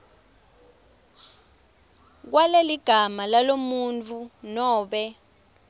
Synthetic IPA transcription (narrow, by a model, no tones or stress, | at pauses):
k̬waleliɡ̥ʱamalalomunt͡fʰunɔːɓɛ